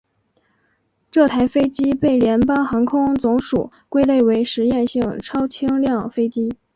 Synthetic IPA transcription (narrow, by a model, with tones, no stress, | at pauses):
ʈ͡ʂɤ˥˩t̪ʰa˧˥ɪfe˥ɪt͡ɕi˥pe˥˩ɪljɛ˧˥npɑ˥ŋxɑ˧˥ŋkʰʊ˥ŋt͡sʊ˧˥ŋʂu˨˩˦ | kwe˥ɪle˥˩ɪwe˧˥ɪʂɻ̩˧˥jɛ˥˧nɕi˥˩ŋʈ͡ʂʰɑ˥ʊt͡ɕʰi˥ŋljɑ˥˩ŋfe˥ɪt͡ɕi˥